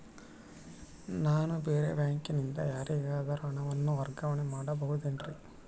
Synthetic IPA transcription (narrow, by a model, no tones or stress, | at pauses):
naːnubeːɾḛʋjaːŋkinind̪ɐjaːɾiɡaːd̪ɐɾɐɳɐʋɐnːuʋɐɾɡɐʋɐɳemaːɽɐbɐɦud̪inɾi